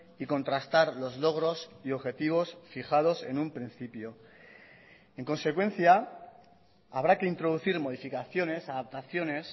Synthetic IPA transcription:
iko̞nt̪ɾast̪aɾlo̞zlo̞ɣ̞ɾo̞sio̞βxe̞t̪iβ̞o̞sfixað̞o̞se̞̰numpɾin̟θipjo̞ | e̞ŋkõ̞nse̞kwe̞n̟θja | aβɾake̞int̪ɾo̞ð̞uθiɾmo̞ð̞ifikaθjo̞ne̞saðap̚t̪aθjo̞ne̞s

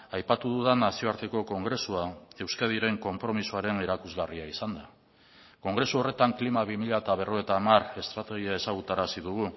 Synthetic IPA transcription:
ajpat̪uðuðanasio̞aɾt̪e̞ko̞ko̞ŋɡɾe̞suae̞wskað̞iɾe̞ŋko̞mpɾo̞misuaɾe̞ne̞ɾakuzɣariaisand̪a | ko̞ŋɡɾe̞suo̞re̞t̪aŋklimaβ̞imiʎaet̪aβ̞e̞ro̞et̪amare̞st̪ɾat̪e̞ɣ̞iae̞saɣ̞ut̪aɾasiðuɣ̞u

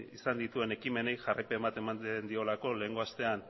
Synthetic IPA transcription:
isand̪it̪ue̞ne̞kime̞ne̞jʝarajpe̞mbat̪e̞mannd̪io̞lako̞le̞ːŋɡo̞ast̪e̞an

